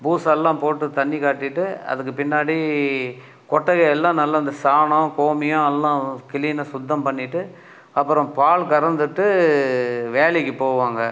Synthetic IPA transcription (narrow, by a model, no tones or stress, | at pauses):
buːsɛlːãːpoːʈːɯt̪ɐɳːikaːʈːɪʈːɯɐ̰ðɯkːɯpɪnːaːɽi | kɔʈːɐɣɐɛlːãːnɐlːɐɪnd̪ɐsaːɳɐ̃koːmɪjʊ̃ɛlːãːkɪliːnɐsʊd̪ːɐmpɐɳːɪʈːɯ | ɐpːɯɾɔ̃paːɭkɐɾɐnd̪ɯʈːɯ | ʋeːɭɛkːɯpoːʋaːŋɡɐ